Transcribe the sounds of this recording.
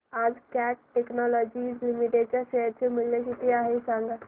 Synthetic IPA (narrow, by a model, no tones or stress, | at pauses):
ad͡zkæʈ̚ʈeknɔlɔd͡ʑiːslimiʈeɖ̚t͡ɕjaɕeəɾt͡semuljekit̪iaɦesãŋɡa